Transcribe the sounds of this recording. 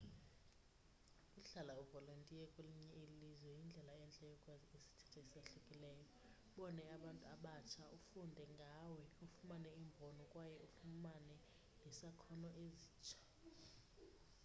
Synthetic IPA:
kʼuɬalauvɔlontʼiɛkʼweliɲɛilizwɛjind͡ɮʱɛlaɛnt͡ɬʼɛjɔkʼwazesi̥tʰɛ̥tʰɔsaɬukʼilɛːjɔ | ɓɔnɛaɓantʼuaɓat͡ʃʰaʔufundʱɛŋɡʱawɛufumanɛimbʱɔnɔkʼwajɛufumanɛ | nɛsakʰɔnɔʔeziːt͡ʃʼʰḁ

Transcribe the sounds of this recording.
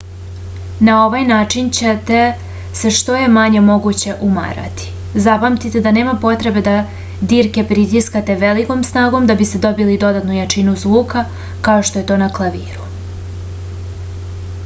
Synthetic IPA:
nao̞ʋajnaːt͡ʂint͡ɕet̪e | se̞ʃt̪o̞je̞maɲe̞mo̞ɡut͡ɕe̞ʔuma̰ɾa̰t̪i̥ | zapamt̪it̪e̞d̪ane̞ːmapo̞t̪ɾe̞be̞d̪a | d̪iːɾke̞pɾit̪iskat̪e̞ʋe̞liko̞msnaːɡo̞md̪abist̪ed̪o̞bilid̪o̞d̪at̪nujat͡ʃinuzʋuːka | kao̞ʃt̪o̞je̞t̪o̞ːnaklˠaʋiːɾu

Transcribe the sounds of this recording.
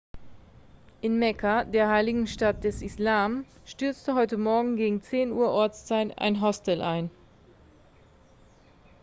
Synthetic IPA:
ʔɪnmɛkʰadeːɐɦaɪlɪɡŋ̩ʃtat̚d̥ɛsɪslaːm | ʃtʏɐt͡stəɦɔʏtəmɔɐɡŋ̩ɡeːɡŋ̩t͡seːnuːɐʔɔɐt͡st͡saɪta̰ɪnɦɔstʰɛlʔaɪn

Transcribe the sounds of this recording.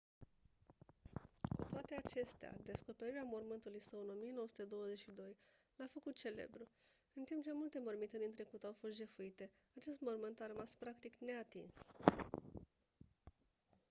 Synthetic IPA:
kṵt̪oat̪e̞at͡ʃe̞st̪ea̰d̪e̞sko̞pe̞ɾiɾeamo̞rmɨnt̪uluijsəɨno̞mijenowəsut̪ed̪o̞wəze̞t͡ʃʃid̪o̞j | lafəkut̪̚t͡ʃe̞le̞̰bɾu | ɨnt̪impt͡ʃe̞mult̪e̞mo̞rmit̪ed̪int̪ɾe̞kut̪awfo̞st̪ʒe̞fuit̪e̞ | at͡ʃe̞st̪mo̞rmɨnt̪arəmaspɾakt̪ikne̞at̪ḭns

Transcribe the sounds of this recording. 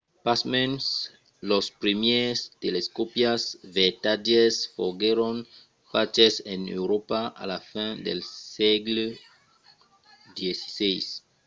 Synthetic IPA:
pasmɛns | lospɾimjest̪eleskopjasvet̪adesfoɡeɾon | fat͡ʃesenḛwɾopaa̰lafĩd̪elseɡlu | d̪jesi̥sejs

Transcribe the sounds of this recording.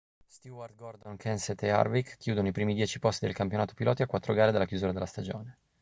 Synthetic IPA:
st̪uard̪̚ɡord̪oŋkʰɛnset̪ea̰rvikkʰːjuːd̪onoipɾiːmid̪jɛːt͡ʃipost̪id̪ḛlkampjonaːt̪o̥pilɔːt̪iakwat̪ːɾoɡaːɾed̪elakjuzuːɾad̪elast̪ad͡ʒo̰ːne

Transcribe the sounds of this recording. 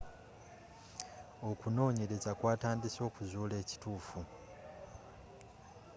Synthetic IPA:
o̞kuno̞ːɲe̞ɾe̞zakwaːtaːndiso̞ːkuzuːle̞ːci̥tuːfu

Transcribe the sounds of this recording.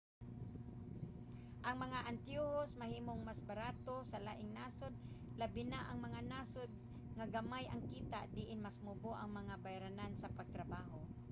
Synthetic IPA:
ʔɐŋmɐŋaʔant̪juhosmahiːmoŋmasbaɾaːt̪osɐlaːʔɪŋnaːsod̪̚labɪnaʔɐŋmɐŋanaːsod̪̚ | ŋaɡamajʔɐŋkiːt̪a̰ʔd̪ɪʔɪnmasmuboʔɐŋmɐŋabajɾanansɐpaɡ̚t̪ɾabaːɦo

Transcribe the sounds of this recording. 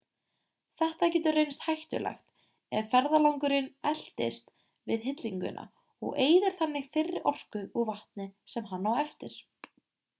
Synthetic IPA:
θɛht̪acɛːt̪ʏrejnst̪hajht̪ʏ̰lɛ̰xt̪ | ɛðfɛɾðalawŋkʏɾɪnɛl̥t̪ɪst̪ | vɪðɦɪt̪liŋkʏ̰nʔa̰ | ɔ̰ɣeːjðɪɾ̥θanːɪɣfɪrːɪʔɔr̥kʏuɣvaht̪nɪsɛmɦanːawɛft̪ɪɾ̥

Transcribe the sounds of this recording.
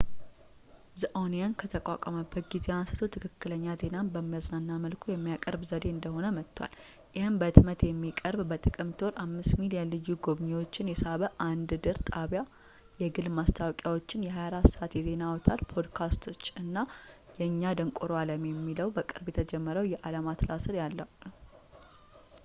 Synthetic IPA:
zəʔownijankʰət̪ʰəkʼa̰kʷʼəməbːət̪̚ɡize̞ansɨ̥t̪ʰut̪ʰɨkʰɨkːɨləɲːaze̞nanbəmːijaznanːaməlkʰujɛmːijakʼə̰ɾbzəd̪e̞ɨnd̪əɦo̞nəmət̪ʰːwa̰l | jɪhɨnbət̪mət̪jɛmːikʼəɾbbət̪ʼɨkʼɨmt̪ʰo̞ɾʔamːɨst̪milijənlɨjːuɡoβɲewo̞t͡ʃːɪnjɛsaβəʔand̪d̪ɨɾt̪ʼaβja | jɛɡɨlmast̪ʰawkʼjawot͡ʃːɪnjɛɦajaɾat̪saʔat̪jɛze̞nawɔt̪ʰat̪pʰo̞d̪kʰast̪ʰo̞t͡ʃːɨnːajɛɨɲːad̪əŋkʼoɾoaləmjɛmːiləwbəkʼɨɾbjɛt̪ʰəd͡ʒɛmːəɾəwjɛʔalamat̪ʰlasɨɾjalːə

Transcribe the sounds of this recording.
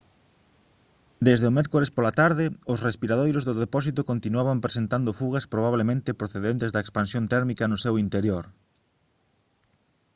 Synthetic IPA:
d̪ezðeomɛɾkoɾespolat̪aɾðɪosrespiɾað̞ojɾozðʊðepɔsit̪okont̪inuaβampɾesent̪and̪ʊfuɣ̞ɐspɾoβ̞aβlemẽnt̪ɪpɾoθeðent̪ezd̪ɐekspansjont̪ɛɾmikɐnʊsewint̪eɾjoɾ

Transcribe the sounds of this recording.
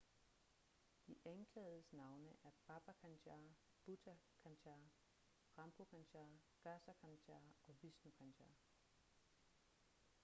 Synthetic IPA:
d̥iʔænkʰlɛ̰ːð̩ˠəsnɑ̈ʊnəʔæɐb̥ʰɑ̈b̥ækʰænɕæː | b̥udʰækʰænɕæː | ʁɑ̈mb̥o̝kʰænɕæː | ɡ̥æsækʰænɕʰæɐɒ̽ʋisnukʰænɕʰæɐ

